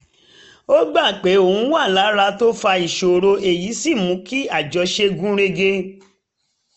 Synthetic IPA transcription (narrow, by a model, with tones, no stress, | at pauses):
o˦ɡ͡ba˦˨k͡pe˨˦o˨ũ˨˦wa˦˨la˨˦ɾa˧to˦fa˧i˨ʃo˨ɾo˧e˨ji˨˦si˦˨mũ˨˦ki˦a˦˨d͡ʒɔ˧ʃe˧ɡũ˦ɾe˧ɡe˧